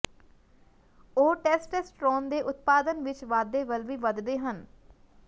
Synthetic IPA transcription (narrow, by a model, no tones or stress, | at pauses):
oːʈɛːsʈɛːsʈɾoːnd̪eːʔʊt̪paːd̪ənʋɪt͡ʃʋaːd̪eːʋəlʋiːʋəd̪d̪eːɦən